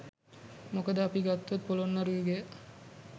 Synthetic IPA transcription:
mokəd̪əapiɡat̪ːot̪̚polonːaɾuiɡe

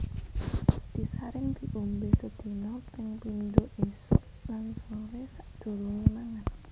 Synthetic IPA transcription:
d̪̥i̤saɾɪŋd̪̥i̤ʔumbesəd̪̥i̤nɔpɪŋpind̪oʔesʊʔ | lansoɾesaʔd̪̥o̤ɾuŋimaŋat̪

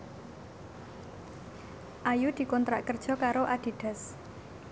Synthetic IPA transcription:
ʔajud̪̥i̤kɔnt̪ɾaʔkərd̥ʒ̥ɔ̤kaɾoʔad̪̥i̤ɖ̪̥a̤s

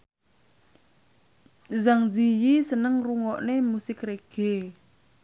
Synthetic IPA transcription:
zaŋzijisənəŋruŋɔʔnemusɪkreɡ̥e

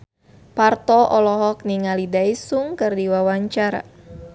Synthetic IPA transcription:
part̪ɔʔɔlɔɦɔk̚niŋalidaisuŋkɨrdiwawaɲt͡ʃaɾa̰

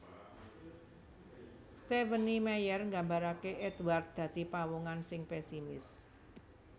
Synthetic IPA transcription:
st̪evənimɛjərŋɡambaɾakeʔɛd̪wart̪̚d̪̥ä̤d̪̥i̤pawuŋansɪŋpɛsimɪs

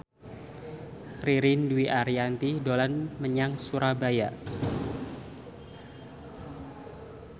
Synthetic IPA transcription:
riɾinduwiʔaɾiant̪idolanməɲaŋsuɾabaja

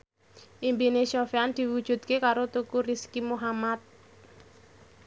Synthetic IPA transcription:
ʔimbineʃɔfeand̪̥i̤wud̥ʒ̥ṳt̪̚kekaɾot̪ukuriskimuɦamat̪̚

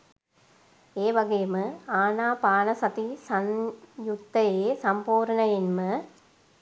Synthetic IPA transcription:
eːʋɐɡɐjɐmɨaːnaːpaːnɐsɐt̪isɐnjut̪ːɐjeːsɐmpoːɾɐnɐjinmɨ

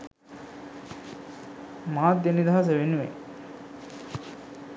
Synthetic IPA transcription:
maːt̪̚ːenid̪aɦas̬əʋenuʋḛ

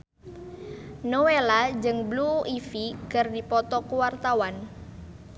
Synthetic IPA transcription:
nowelad͡ʒɨŋbluʔifikərdipɔt̪ɔkuwart̪awan

